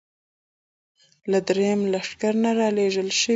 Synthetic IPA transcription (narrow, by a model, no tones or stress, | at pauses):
lad̪ɾejamlaʂkaɾnaɾɑleʒəlʃə